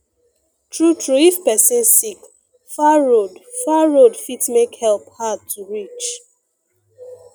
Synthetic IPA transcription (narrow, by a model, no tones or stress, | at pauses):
tɹutɹuifpɛsĩnsik | faɹodfaɹodfitmekhɛlphad̚tʰuɹit͡ʃ